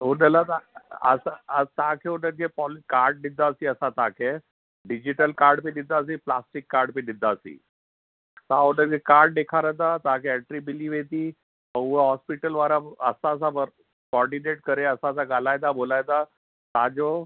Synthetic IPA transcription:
ɦunəlat̪aə̰saət̪akʰeunəɾkʰepɔlkaɾɖ̚nid̪aəsiːəsat̪akʰe | ɖid͡ʑiʈəlkaɾɖpid̪id̪ːaəs̬iːplasʈikːaɾɖpidid̪ʱːaəsḭː | t̪ãunəɾkekaɾɖ̚dekʰaɾəd̪at̪ãkʰɛɛʈɾibiliːʋed̪i | əwʋəɦɔspiʈəlʋaɾaəsaːs̬abəɾ | kɔɾɖineʈkəɾeəsaəs̬aɡalajd̪abolajd̪a | t̪ad͡ʑɔ

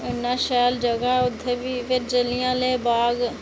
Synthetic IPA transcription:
ɪnːãːʃɛːld͡ʒəɡaːʊd̪ʰʱːeːʋiːʋɪɾd͡ʒəlɪjãːleːbaːɡ

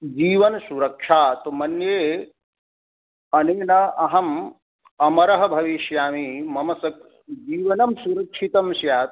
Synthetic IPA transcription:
d͡ʒiːʋɐnsuɾɐkʂaːt̪mɐnjeː | ɐneːnɐʔɐɦɐm | ɐmɐɾɐɦɐbʱɐʋiʃjaːmimɐmɐsɐk̚ | d͡ʒiːʋɐnɐmsuɾɐkʂʰit̪ɐmʃjaːt̪

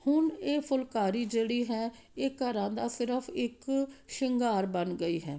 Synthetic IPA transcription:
hʊneːpʰʊlkaːɾiːd͡ʒeːɽiːɦɛː | eːkəɾãːd̪aːsɪɾəpʰɪkʃəŋɡaːɾbənɡəiːɦɛː

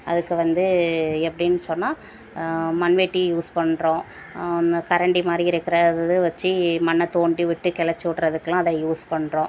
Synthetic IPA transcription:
ʔɐðɯkːɯʋɐnd̪ɯɛpːɐɽinːɯsɔnːaː | mɐnʋeːʈːijuːspɐɳːɾõː | ɔnɐkɐɾɐɳɖimaːd̪ɾiɪɾɯkːɪɾɐðɐðɯʋɐt͡ʃːɯmɐnːɐt̪oːɳɖiʋɪʈːɯkɛɭɐt͡ʃːɯʋɪʈɾɐðɯkːlãːɐðɐjuːspɐɳːɾõː

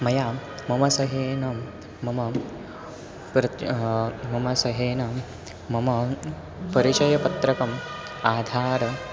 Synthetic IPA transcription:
mɐjaːmɐmɐsɐɦeːnɐmː | ɐmɐ | pɾɐ | mɐmɐsɐɦeːnɐ | mɐmɐ | pɐɾit͡ʃɐjɐpɐt̪ɾɐkɐm | aːd̪ʱaːɾɐ

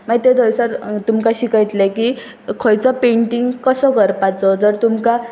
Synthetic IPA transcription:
maɡit̪ed̪əjsaɾt̪umkaɕikajt̪leki | kʰɔjt͡sɔpeɳʈiŋɡkəsəkəɾpat͡sɔd͡zəɾt̪umka

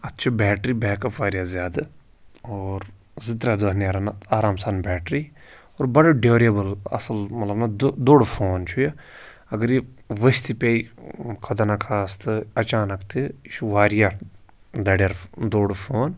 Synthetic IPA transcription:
ɐt̪ːt͡ʃʰibɛːʈɾiːbɛːkɐʋaːɾijaːzjaːd̪a | oːɾ | zɪt̪ɾad̪oɦnjaːɾanaːɾaːmsaːnbɛːʈɾiː | oːɾbɐɽɐɖeːɾijɐbəlɐ̰sɐlmɐt̪lɐbnad̪d̪oːɽfʰoːnt͡ʃʰuja | ɐɡəɾiʋəst̪ipʲeːikʰɐd̪ɐnakʰaːst̪ɨɐt͡ʃaːnɐkt̪ʰiʃuʋaːɾija | d̪ɐɽjɐɾd̪oːɽfʰoːn

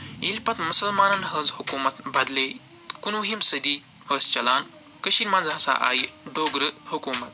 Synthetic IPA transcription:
ilpɐt̪musɐlmaːnɐnɦɐːzhukuːmɐt̪bɐd̪le | kunwuɦimsɐd̪iː | həːst͡ʃɐlaːn | kəʃiːnmanzɦɐsa̰ʔa̰ːjiɖoːɡɾɨhukuːmɐt̪̚

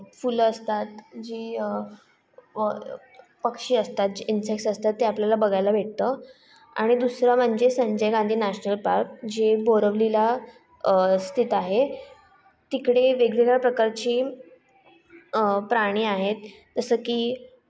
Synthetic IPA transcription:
fuləst̪at̪d͡ʑiːə | pəkʂiːəst̪at̪̚d͡ʑinsek̚səst̪at̪ːeapljalabəɡajlabʱeʈ̚t̪ə | a̰ɽ̃id̪usɾam̤əɳd͡ʑesəɲd͡ʑəjɡãnd̪ʱiːnæɕnəlpaɾk̚d͡ʑeboɾəʋlila | st̪ʰit̪aɦe | t̪ikɽeʋeɡleɡapɾəkaɾt͡ɕiː | pɾaɽ̃iːaɦet̪ː | əsəːkiː

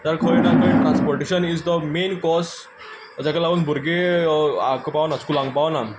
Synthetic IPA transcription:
d̪əɾkʰəinakʰəĩʈɾãnspɔɾʈeɕənizd̪əmẽnkɔs | d͡ʑakalaʋənbʱuɾɡea̰kpaʋnaskulãŋɡpaʋna

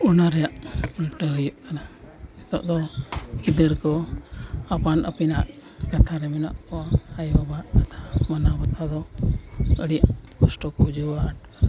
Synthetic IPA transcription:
ɔnaɾɛjaʔulʈəɦujuʔkana | t̪ɔ̰ʔd̪ɔkid̪əɾkɔ | apanʔə̰pinaʔ | kat̪ʰaɾɛmɛna̰ʔkɔajbaʔkat̪ʰḁmənabət̪ʰad̪ɔ | əɽiaʔkɔsʈɔkɔd͡ʒuwaʈ̚

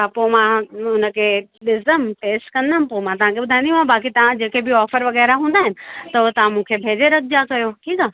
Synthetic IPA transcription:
apomãʊnə̆kʰeɗɪzəmʈeːsʈkɐ̃nd̪ãːnpoːmãt̪ɐʋ̤ãkʰebʊd̪ʱãːniũãbaːk̬it̪ɐʋ̤ãd͡ʑeːkebɪɔːfəɾʋɐɣɛːɾaɦũːnd̪aːɦɪnɪ̆t̪ɐot̪ɐʋ̤ãmũkʰebʱeːd͡ʑeɾɐɡ̚d͡ʑakɐjoʈʰiːkaː

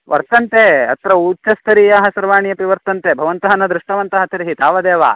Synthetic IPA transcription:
ʋʔɐ̰ɾt̪ɐnt̪eːɐ̰t̪ɾɐuːtːt͡ʃɐst̪ʰɐɾijaːɦɐsɐɾʋaːɳijɐpiʋɐɾt̪ɐnt̪eːbʱɐʋɐnt̪ɐɦɐnɐd̪ɾuʂʈɐʋɐnt̪ɐɦɐt̪ʰɐɾiɦit̪aːʋɐd̪eːʋa̰ː

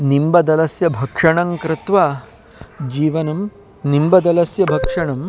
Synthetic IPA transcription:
nimbɐd̪ɐlɐsjɐbʱɐkʂɐɳɐŋkɾɪt̪ʋaː | d͡ʒiːʋɐnɐm | nimbɐd̪ɐlɐsjɐbʱɐkʂɐɳɐm

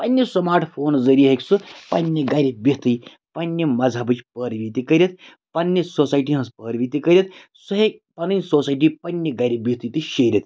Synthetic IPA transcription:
pɐnʲːɐsɐmaːɾʈpʰoːnzɐɾiɦekʲsɨpɐnʲːiɡaɾʲibʲit̪ɨj | pɐnʲːimɐd͡zʱabɨt͡ʃpəːɾʋʲit̪ikɐɾʲɐt̪̚ | pɐnʲːɐsoːsaːjʈ̬iɦɐ̃spəːɾʋʲit̪ikɐɾʲɐt̪ | suɦekpɐnɨnʲsoːsaːjʈ̬iːpɐnʲːeɡaːɾʲibʲit̪ɨt̪ɨʃeːɾʲɐt̪

